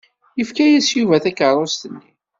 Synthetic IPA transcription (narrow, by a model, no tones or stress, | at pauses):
jəfkæjæsjuvæθækəɾˤːost̪ənːi